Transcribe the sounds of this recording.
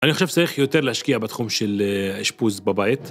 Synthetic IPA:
ʔaniχoʃevt͡saʁiχjo̞t̪eʁlehaʃkiabet̪χumʃeleʃpuzbabait̪

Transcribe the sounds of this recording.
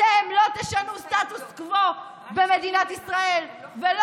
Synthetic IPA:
emlo̞t̪eʃanust̪at̪uskvo̞ | bemed̪inat̪isʁae̞lvel

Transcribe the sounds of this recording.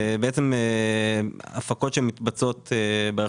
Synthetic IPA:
beet͡seme | afako̞t̪ʃeemit̪bat͡so̞t̪ebe

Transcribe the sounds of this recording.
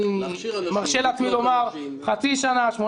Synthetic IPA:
maʁʃelat͡ssmilomaʁ | χat͡siʃanaʃmo

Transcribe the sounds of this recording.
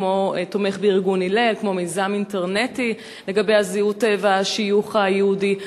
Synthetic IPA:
mo̞t̪o̞me̞χbeiʁɡunile̞lkmo̞mejzaminteʁne̞ti | le̞ɡabe̞jaziutevaʃijuχajeudi

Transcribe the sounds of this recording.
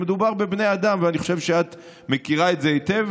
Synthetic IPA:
ed̪ubaʁbebnead̪amveaniχo̞ʃe̞vʃeat̪ | mekiʁaetzeit̪ev

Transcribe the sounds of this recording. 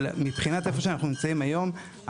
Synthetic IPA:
lmipχinat̪efo̞ʃeanaχnunimt͡saimajo̞m

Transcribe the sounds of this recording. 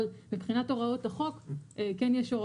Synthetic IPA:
lmipχinato̞ʁao̞taχo̞kekenjɛʃo̞ʁa

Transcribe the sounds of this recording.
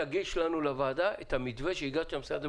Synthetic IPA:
aɡiʃlanulavaːdaʔet̪hamidveʃeiɡaʃamsad̪

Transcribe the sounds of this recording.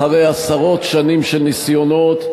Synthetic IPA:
aʁejasaʁo̞t̪ʃanimʃelnisjo̞not̪

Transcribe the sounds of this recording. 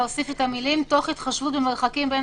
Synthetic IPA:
osifet̪amilimto̞χit̪χaʃvut̚bemeʁχakimben

